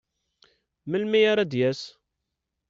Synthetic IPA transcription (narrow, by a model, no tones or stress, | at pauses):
məlmijaɾˤæd̪jæs